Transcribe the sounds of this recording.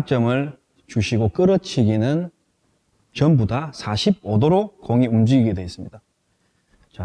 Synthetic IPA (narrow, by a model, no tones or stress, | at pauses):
at͡ɕ͈ʌmɯɭ | t͡ɕuɕʰiɡok͈ɯɾʌt͡ɕʰiɡinɯn | t͡ɕʌmbudasʰaɕʰib̚odoɾokoŋiumd͡ʑiɡiɡedwe̞ːs͈ɯmɲida | t͡ɕa